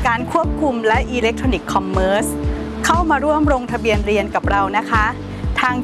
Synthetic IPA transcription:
kaː˧nkʰu˥˩əp̚kʰu˧mlɛ˦˥ʔiː˧le˦˥k̚t̪ʰoː˧ni˨˩kʰːɔ˧mːɤː˦˥s | kʰa˥˩wmaː˧ɾu˥˩əmɾoː˧ŋt̪ʰa˧bi˧ənɾi˧ənka˨˩p̚ɾa˧wna˦˥kʰa˦˥ʔ | t̪ʰaː˧ŋ

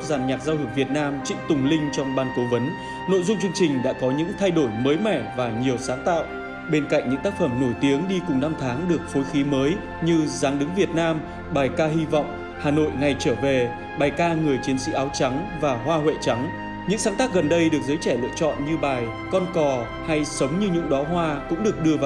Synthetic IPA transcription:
zaː˨˩nɲaː˨˩k̚zaː˧whu˨˩p̚vi˨˩ət̚naː˧mt͡ɕḭ˧˨ŋt̪ʊ˨˩ŋ͡mlï˧ŋ̟t͡ɕɔ˧wŋ͡mɓaː˧nko˨˦və˨˦n | no̰˧˨jzʊ˧ŋ͡mt͡ɕɨ˧əŋt͡ɕï˨˩ŋ̟ɗa̰ː˧˥kɔ˨˦ɲɨ̰˧˥ŋt̪ʰa˧jɗo˧˩jməː˨˦jmɛ˧˩vaː˨˩ɲi˨˩əwsaː˨˦nt̪a̰ː˧˨wʔ | ɓe˧nka̰˧˨jŋ̟ɲɨ̰˧˥ŋt̪aː˦˥k̚fə˧˩mno˧˩jt̪i˨˦əŋɗi˧kʊ˨˩ŋ͡mna˧mt̪ʰaː˨˦ŋɗɨ˨˩ək̚fo˨˦jxi˨˦məː˨˦j | ɲɨ˧zaː˨˦ŋɗɨ˨˦ŋvi˨˩ət̚naː˧m | ɓaː˨˩jkaː˧hi˧vɔ̰˧˨wŋ͡m | haː˨˩no̰˧˨jŋa˨˩jt͡ɕəː˧˩ve˨˩ | ɓaː˨˩jkaː˧ŋɨ˨˩əjt͡ɕi˨˦ənsḭ˧˥ʔaː˨˦wt͡ɕa˨˦ŋvaː˨˩ɦwaː˧ɦwḛ˧˨t͡ɕa˨˦ŋ | ɲɨ̰˧˥ŋsaː˨˦nt̪aː˦˥k̚ɣə˨˩nɗə˧jɗɨ˨˩ək̚zəː˨˦jt͡ɕɛ˧˩lɨ̰˧˨ət͡ɕɔ̰˧˨nɲɨ˧ɓaː˨˩j | kɔ˧nkɔ˨˩ | ha˧jsə˨˦wŋ͡mɲɨ˧ɲʊ̰˧˥ŋ͡mɗɔ˨˦ɦwaː˧kʊ̰˧˥ŋ͡mɗɨ˨˩ək̚ɗɨ˧əvaː˨

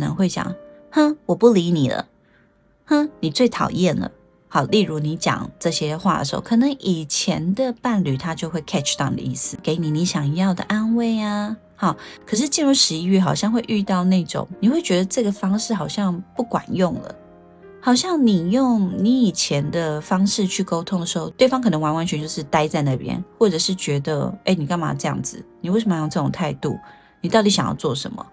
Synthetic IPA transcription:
nə̰˧˦ŋxwe˥˩ɪt͡ɕjɑ̰˨˩ŋ | hə˥˦wɔ˨˩pu˥˩li˧˥ni˨˩lə̰˩ | hə˥˧ni˨˩t͡swe˥˩ɪt̪ʰɑ˨˩ʊjɛ˥˩nlə̰˩ | hɑ˨˩ʊli˥˩ɻu˧˥ni˧˥t͡ɕjɑ̰˨˩ŋʈ͡ʂɤ˥˧ɕjɛ˥xwa˥˩d̪ə̰˩ʂɻ̩˧˥o̰˥˩kʰɤ˨˩nɤ˧˦ŋʔi˨˩t͡ɕʰjɛ˧˥nd̪ə˨pa˥˧nly˨˩t̪ʰa˥t͡ɕjo˥˧ʊxwe˥˩ɪkʰɛ˥˩ʈ͡ʂʰt̪ɑ̰˥˩ŋd̪ə̰˧ḭ˥˩sɹ̩˨˩ke˧˥ɪni˨˩˦ni˧˥ɕjɑ˨˩ŋjɑ˥˩ʊd̪ə̰˩ʔa˥˧nwe˥˩ɪa˩ | hɑ˨˩kʰɤ˨˩ʂ̬ɻ̩˥˧t͡ɕi˥˩nɻu˥˩ʂɻ̩˧˥i˧˥ɥɛ˥˩xɑ˨˩ʊɕjɑ˥˧ŋxwe˥˧ɪʔy˥˧t̪ɑ˥˧ʊna˥˩ʈ͡ʂʊ̰˨˩˦ŋni˨˩xwe˥ɪt͡ɕɥɛ˧˥d̪ə˧ʈ͡ʂɤ˥˩ɡə˩fɑ˥ŋʂɻ̩˥˩xɑ˨˩ʊɕjɑ˥˧ŋpu˥˩kwa̰˨˩njʊ˥˩ŋlə̰˩ | hɑ˨˩ʊɕjɑ˥˩ŋni˨˩jʊ˥˩ŋni˧˥i˨˩t͡ɕʰjɛ˧˥nd̪ə˧fɑ˥ŋʂɻ̩˥˧t͡ɕʰy˥˩ko˥ʊt̪ʰʊ˥ŋd̪ə˨˩ʂɻ̩˧˥xo˥˧ʊt̪we˥˩ɪfɑ˥ŋkʰɤ˨˩nə˧˥ŋwa˧˥nwa˧˥nt͡ɕʰɛ˧˦nt͡ɕjo˥˧ʊʂɻ̩˥˩t̪a˥ɪt͡sa˥˧ɪna˥˩pjɛ̰˦˥nxwɔ˥˩ʈ͡ʂɤ˨˩ʂɻ̩˥˩t͡ɕɥɛ˧˥d̪ə̰˧e˥ɪni˨˩ka˥˩ma̰˨˩ʈ͡ʂɤ˥˧jɑ̰˥˩ŋd͡zɹ̩˩ni˨˩we˥˩ɪʂə˧mə˧jo˥˧ŋʈ͡ʂɤ˥˩ʈ͡ʂʊ˨˩ŋt̪ʰa˥˧ɪt̪ṵ˥˩ | ni˨˩t̪ɑ˥˩ʊt̪i˧˥ɕjɑ˨ŋjɑ̰˥˧t͡swɔ˥˩ʂə̰˧˦nmə̰˨

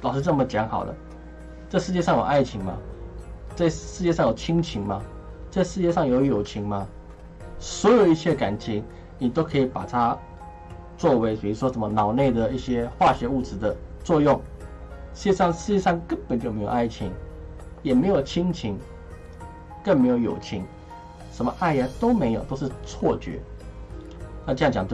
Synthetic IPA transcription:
t̪ɑ˨˩ʊʂɻ̩˥˧ʈ͡ʂmə˨t͡ɕjɑ˧˥ŋxɑ̰˨˩ʊlə̰˦ | t͡sa˥˧ɪʂɻ̩˥˧t͡ɕjɛ˥˧ʂɑ˥˨ŋjo̰˨˩ʊʔa˥˩ɪt͡ɕʰi˧˥˦ŋma̰˦ | t͡sa˥˧ɪʂɻ̩˥˧t͡ɕjɛ˥˧ʂ̬ɑ˥˩ŋjo˨˩ʊt͡ɕʰi˦˥ŋt͡ɕʰi˧˦ŋma˧ | t͡sa˥˧ɪʂɻ̩˥˧t͡ɕjɛ˥˧ʂɑ˥˩ŋjo˧˦ʊjo˨˩ʊt͡ɕʰi˧˦ŋma˧ | swɔ˧˥jo˨˩ʊi˥˩ɕjɛ˥˧ka̰˨˩nt͡ɕʰi˧˥ŋ | ni˨˩t̪o˥ʊkʰɤ˧˥i˨˩pa̰˨˩t̪ʰa˦ | t͡swɔ˥˩we˧˥ɪpi˨˩u˧˥ʂwɔ˥ʂə˨˩nmə˧nɑ˨˩ʊne˥˩ɪd̪ə˩i˥˩ɕjɛ˦˥xwa˥˩ɕɥɛ˧˦u˥˩t͡sɻ̩˧˥d̪ə˨t͡swɔ˥˧jʊ˥˩ŋ | ʂ̩˥˧˩t͡ɕjɛ˥˧ʂɑ˥˧ŋʂɻ̩˥˧t͡ɕjɛ˥˧ʂɑ˥˨ŋkə˦npə˨nt͡ɕo˥˩˨me˥ɪo̰˨˩˧a˥˩ɪt͡ɕʰi˧˥ŋjɛ˨˩me˧˥ɪjo˨˩ʊt͡ɕʰi˥ŋt͡ɕʰi˧˥ŋ | kə˥˩nme˧˥ɪjo˧˩ʊjo̰˨˩ʊt͡ɕʰi˧˦˥ŋ | ʂə˧˥nmə˧ʔa˥˩ɪə˧˩t̪o˥ʊme˧˥ɪjo˨˩ʊt̪o˥ʊʂ̬̩˥˧t͡sʰwɔ˥˩t͡ɕɥɛ̰˧˥˦ | na˥˩t͡ɕjɑ˥˩ŋt͡ɕjɑ˨˩t͡ɕ

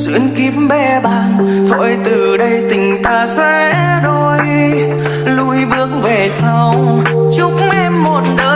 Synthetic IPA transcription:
zḭ˧˥˦ənki˨˦əmɓɛ˧ɓaː˧˩nt̪ʰo̰˧˩jt̪ɨ˨˩ɗə˧jt̪ï˨˩ŋ̟t̪aː˧swɛ˧ | ɗo˧j | lu˧jvɨ˧˥əŋve˨˩sa˧wt͡ɕʊ˧˦k͡p̚ŋ͡mʔɛ˧mːo˨˩t̚ɗəː˧˦

